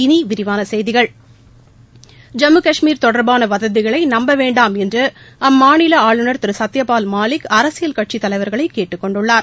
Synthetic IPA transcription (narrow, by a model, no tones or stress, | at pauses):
ɪniʋɪɾɪʋaːnɐsɛjðɪɣɐɭ | d͡ʒɐmɯkɐʂmiːɾt̪ɔɽɐɾbaːnɐʋɐðɐðɯɣɐɭɐɪnɐmbɐʋeːɳɖaːmɛndrɯ | ɐmːaːnɪlɐaːɭɯnɐɾt̪ɪɾɯsɐt̪ːjɐpaːlmaːlɪkɐɾɐsɪjɐlkɐʈ̚t͡ʃit̪ːɐlɐɪʋɐɾɣɐɭɐɪkːeːʈːɯkːɔɳɖɯɭːaːɾ